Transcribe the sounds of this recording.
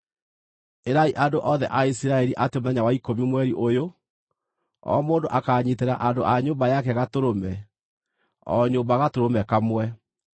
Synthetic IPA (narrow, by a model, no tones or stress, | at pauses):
eɾaiʔandoʔɔðɛ̰ʔaisiɾaɛɾiʔatemonaɲawaikomimwɛɾiʔojo | ɔ̰moːndoʔakaɲeteɾaʔandoʔaɲoːmbajakɛɣatoɾomɛ | ɔ̰ɲoːmbaɣatoɾomɛkamwɛ